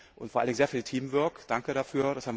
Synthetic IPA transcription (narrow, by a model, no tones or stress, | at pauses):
ʔʊntfoːalndɪŋzeːɐfiːltʰiːmvœɐkd̥aŋkəɾafyːɐɾashaːmv